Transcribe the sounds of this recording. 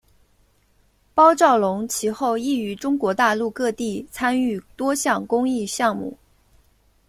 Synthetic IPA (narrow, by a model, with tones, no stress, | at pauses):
pɑ˥ʊʈ͡ʂɑ˥˩ʊlʊ˧˥ŋt͡ɕʰi˧˥xo˥˧ʊi˥˩y˧˥ʈ͡ʂʊ˥ŋkwɔ˧˥t̪a˥˧lu˥˧kɤ˥˧t̪i˥˩t͡sʰa˥ny˥˩t̪wɔ˥ɕjɑ˥˩ŋkʊ˥ŋi˥˧ɕjɑ˥˧ŋmṵ˥˩